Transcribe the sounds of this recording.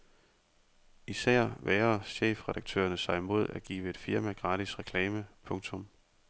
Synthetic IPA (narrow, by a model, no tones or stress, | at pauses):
isæɐ̰ʋeːɐɕḛːfʁɛɾ̥ɑ̈ɡ̥̚t͡sʰø̰ːɐnəsɑ̈ɪimo̝ð̞̰ˠæɡ̥ḭːʋəe̝d̥fiɐmæɡ̥ʁɑ̈ːdisʁɛkʰlɛːməpʰɔ̽ŋt͡sʰɔ̽m